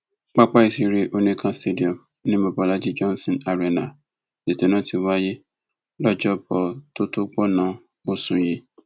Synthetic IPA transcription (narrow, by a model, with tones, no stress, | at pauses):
k͡pa˦k͡pa˦i˨si˧ɾe˧ʔo˧nẽ˦kʰã˧ste˦di˨ɔ˨m | nĩ˦mo˨bɔ˨la˦d͡ʒi˦d͡ʒɔ̃˦n˦sɔ̃˨na˨ɾe˨na˨ | d̥e˨te˨nã˨˦ti˧wa˦je˦ | lɔ˦d͡ʒɔ˦bɔ˨to˦to˦k͡pɔ˦nã˨˦ | o˦sũ˨ji˦